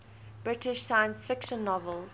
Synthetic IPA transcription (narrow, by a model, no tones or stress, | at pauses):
b̥ɹɪtɪʃsaɪə̃nsfɪkʃə̃nːɔvəlˠz̥